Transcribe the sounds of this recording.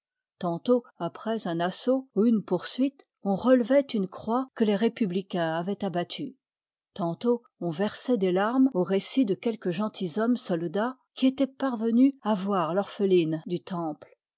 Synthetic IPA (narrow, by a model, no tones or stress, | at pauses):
t̪ɑ̃t̪oapχɛzɛ̃nasouynpuʁsɥit̪ | ɔ̃ʁəlvɛt̪ynkχwakəleʁepyblikʲɛ̃avɛt̪abat̪ʰy | t̪ɑ̃t̪o | ɔ̃vɛʁsɛd̪elaʁmoʁesid̪əkʲɛlkəʒɑ̃t̪ʰizɔmsɔld̪a | kʲiet̪ɛpaʁvənyavwaʁlɔʁfəlind̪yt̪ɑ̃pl